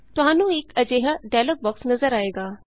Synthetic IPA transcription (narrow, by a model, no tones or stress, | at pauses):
t̪ʊɦãːnũekɐd͡ʑeːɦəɖaːlək̚ʋɐk̚t̪nɐzəɾaːeːɡaː